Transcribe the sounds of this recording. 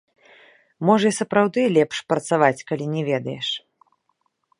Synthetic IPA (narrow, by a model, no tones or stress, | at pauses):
mɔʐɐisɐpɾawd̪ɨlʲɛpʂpɾɐt̪savat͡sʲkalʲinʲɛvʲɛd̪ɐjɛʂ